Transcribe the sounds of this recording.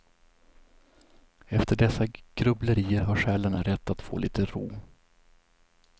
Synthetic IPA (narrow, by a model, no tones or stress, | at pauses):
ɛft̪ʰəɖɛsːaɡ̥ɾɵbləɾiːəɾɦaɾɧɛːlənɾɛt̪ːat̪fo̰ːliːt̪ʰəɾuː